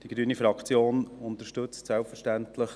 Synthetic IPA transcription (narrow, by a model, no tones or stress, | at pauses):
d̥iɡ̥ɾyːnifɾɑkt͡sjoːnʊnt̪əɾʃtɵt͡stsɛlpfəɾʃtæntləχ